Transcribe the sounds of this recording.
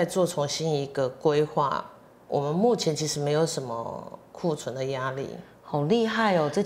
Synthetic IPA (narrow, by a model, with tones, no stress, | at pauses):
ɪt͡swɔ˥˨t͡sʰʊ˧˥ŋɕi˦˥ni˧˥ɡə˧kwe˦˥ɪxwa̰˥˩ | wʔɔ̰˨˩mə˦nmu˥˩t͡ɕʰjɛ˧˦nt͡ɕʰi˧˥ʂɻ̩˧˥me˧˥ɪjo˧˥˦ʊʂə˧˦nmə̰˧kʰu˥˩t͡sʰwə˧˦nd̪ə˨ja˦lḭ˥˨˩ | ho˨˩ŋli˥˧ɦa˥˩ɪo˨˩ʈ͡ʂɤ˥˩